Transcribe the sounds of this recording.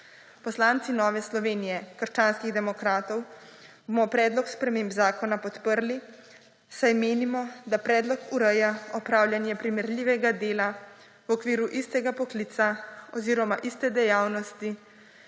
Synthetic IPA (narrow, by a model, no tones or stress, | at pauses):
pɔslaːnt̪sinɔːʋɛslɔʋeːnijɛkəɾʃt͡ʃaːnskiɣd̪ɛmɔkɾaːt̪ɔw | bomɔpɾɛːd̪lɔkspɾɛmeːmbzaːkɔnapɔt̪pəɾli | sajmeːnimɔd̪apɾɛːd̪lɔkuɾɛjaɔpɾaːwlʲjanjɛpɾimɛɾlʲiːʋɛɡad̪eːla | wɔkʋiːɾuʔist̪ɛɡapɔkliːt̪saɔziːɾɔmaʔist̪ɛd̪ɛjaːwnɔst̪i